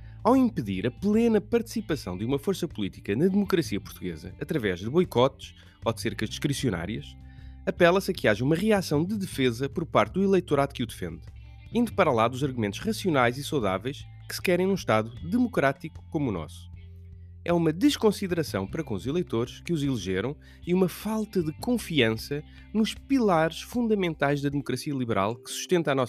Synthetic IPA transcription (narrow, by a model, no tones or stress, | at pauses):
awĩmpɨðiɾɐplˠenɐpɐɾt̪ɨ̥sipɐsɐ̃w̃d̪ɨumɐfoɾsɐpulˠit̪ikɐnɐðɨmukɾɐsiɐpuɾt̪uɣḛzɐ̰ʔɐt̪ɾɐvɛʒd̪ɨβɔjkɔt̪ʃ | ɔd̪seɾkɐʒd̪ɨʃkɾisiuna̰ɾiɐʃ | ɐpɛlˠɐsɐkɨaʒɐumɐʁiasɐ̃w̃d̪ɨðɨfezɐpɔɾpaɾt̪̚d̪uilˠejt̪uɾaðukud̪ɨfḛ̃nd̪ | ĩnd̪upɐɾɐlˠaðuzɐɾɣumẽnt̪u̥ʃʁɐsiunajzisɐwða̰vɐjʃ | kɨ̥sɨ̥kɛɾɐ̃j̃nũʃt̪aðud̪ɨmukɾat̪iku̥komunɔ̰su̥ | ɛumɐd̪ɨʃkõsiðɨɾɐsɐ̰̃w̃pɐɾɐkõuzilˠejt̪oɾʃkɨuzilˠiʒeɾɐ̃w̃ | iumɐfalˠt̪ɐðɨkõfiɐ̃sɐ | nuʃpilˠaɾʃfũnd̪ɐmẽnt̪ajʒðɐðɨmukɾɐsiɐlˠiβɨɾʔa̰lˠkɨ̥su̥ʃt̪ẽnt̪anɔs